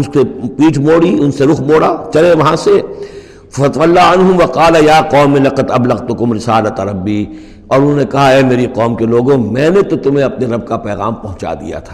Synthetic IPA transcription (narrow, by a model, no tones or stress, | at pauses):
ʊnsepiːʈʰmoːɽiʊnseɾʊxʰmoːɽat͡ʃɐleʋɐɦãse | fɐt̪ʋɐlːaɐnɦʊmʋɐqaːlajaːqɔːmelɐqɐd̪ɐblɐɣt̪ʊkʊmɾɪsaːlɐt̪ɐɾɐbːi | ɔːɾʊnnekɐɦaɛːmeːɾiqɔːmkeloːɡõmɛ̃ːnet̪ot̪ʊmɦẽɐpneɾɐb̚kapɛːɣa̰ːmpɐɦʊ̃t͡ʃa̰d̪ḭja̰t̪ʰḁː